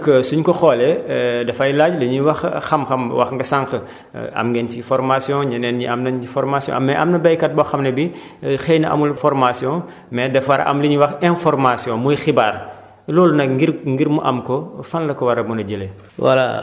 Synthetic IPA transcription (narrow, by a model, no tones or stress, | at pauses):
kəsuɲkɔxɔːlɛdɐfɐjlaɟlɐɲiwɐxxɐmxɐmwɐ̰xŋɡɐsãŋkə̰ | ɐ̰mɡɛncifɔɾmasjɔ̃ɲɐnɛːnɲiʔɐmnɐɲifɔɾmasijɔ̰̃ɐmːɛʔɐmnɐbɐjkɐt̚bɔxɐmnɐbi | xɛjnɐʔɐ̰mulfɔrmasjɔ̃ | mɛdɛfwɐɾɐ̰ʔɐ̰mliɲwɐxɛ̃nfɔrmasjɔ̃mujxibaːr | lɔːlunɐkɡiɾŋɡiɾmuʔɐmkɔfɐnlɐkɔwɐɾɐmunɐɟele | wɐ̰la̰